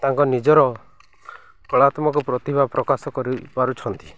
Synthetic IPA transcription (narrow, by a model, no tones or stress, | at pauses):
t̪aŋkɔnid͡ʒɔɾɔ | kɔɭat̪mɔkɔpɾɔt̪ibapɾɔkasɔkɔɾipaɾut͡ʃʰɔnt̪i̥